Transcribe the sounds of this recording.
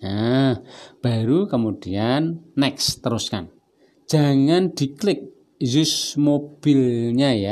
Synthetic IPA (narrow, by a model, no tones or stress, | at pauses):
a | b̥a̤ɾukəmud̥ianːɛkst̪əɾʊska̰n | d̥d͡ʒ̥a̤ŋand̪̥i̤klɪk̚ | zʊsmob̥ilɲaja